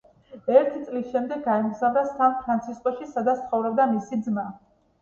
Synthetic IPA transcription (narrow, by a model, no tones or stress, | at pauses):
ɛɾt̪ʰit̪sʼlisʃɛmd̪ɛɡ̚ːaɛmɡzavɾasampʰɾant̪sʰiskʼɔʃisad̪at̪st̪sχɔvɾɛbd̪amisid̪zma